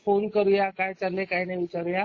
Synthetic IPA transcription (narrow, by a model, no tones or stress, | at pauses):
fonkəɾujakajt͡salːekajnaiʋit͡ɕaɾuja